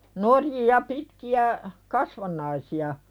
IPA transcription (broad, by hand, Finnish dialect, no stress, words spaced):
norjijɑ pitkiæ kɑsʋɑnˑɑisiɑ